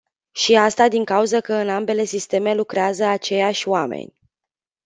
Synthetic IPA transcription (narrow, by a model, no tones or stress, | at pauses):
ʃiast̪ad̪iŋkauzəkəɨnambe̞le̞sist̪e̞me̞lukɾeazəat͡ʃe̞jaʃʲoamḛnʲ